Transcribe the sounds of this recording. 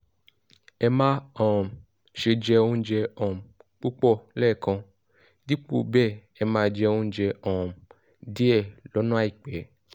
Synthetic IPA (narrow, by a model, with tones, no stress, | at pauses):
ɛ˧mã˦ɔ̃˨ | ʃe˧d͡ʒɛ˧õ˦d͡ʒɛ˧ɔ̃˨m˨k͡pu˦k͡pɔ˦˨lɛː˦˨kã˧ | di˦k͡po̰˦˨bɛ˦˨ | ɛ˧mãː˦˧d͡ʒɛ˧o˦d͡ʒɛ˧ɔ̃˨m | di˦ɛ˦˨lɔ˨˦nã˦a˦i˦˨k͡pɛ˨˦